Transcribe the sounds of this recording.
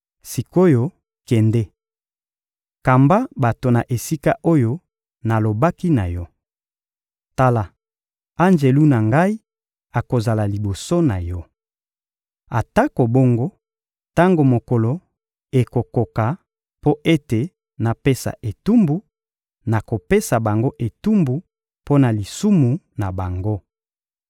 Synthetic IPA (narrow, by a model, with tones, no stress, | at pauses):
si˨ko˦jo˦ | kɛ˨ndɛ˦ | ka˨mba˦ba˨to˨na˨ʔe˨si˦ka˦ʔo˦jo˦ | na˨lo˨ba˦ki˦na̰˨jɔ˦ | ta˦la˨ | a˦nd͡ʒe˨lu˦na˨ŋɡa˦i˦ | a˨ko˨za˨la˨li˨bo˨so˦na˨jɔ˦ | a˨ta˦ko˨bo˦ŋɡo˦ | ta˦ŋɡo˨mo˨ko˨lo˨ | e˨ko˨ko˨ka˨ | po˦ʔe˦te˨ | na˨pe˦sa̰˨ʔe˨tu˦mbu˨˦ | na˨ko˨pe˦sa˨ba˨ŋɡo˦ʔe˨tu˦mbu˨ | po˦na˨li˨su˦mu˨ | na˨ba˨ŋɡo˦